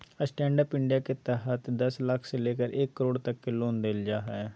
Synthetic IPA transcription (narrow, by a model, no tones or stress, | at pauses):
əsʈɛ̃ːɳɖəpɪ̃ɳɖijaːket̪aːɦət̪d̪əsləkʰseleːkəɾʔeːkːəɾoːɽt̪əkːeloːnd̪eld͡ʒaːɦɛː